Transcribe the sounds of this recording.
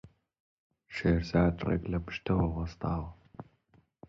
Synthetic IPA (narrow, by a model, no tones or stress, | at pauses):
ʃeːrzaːtʼrɐ̰kʼlɐpʰʃtʰɐwɐʁɐstʰʼaːʁ